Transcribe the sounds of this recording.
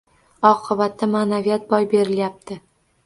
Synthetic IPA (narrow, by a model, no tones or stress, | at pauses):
ɒqʰɨbat̪ːamaːnavijat̪̚bɒjbe̞ɾɪljap̚t̪ʰɪ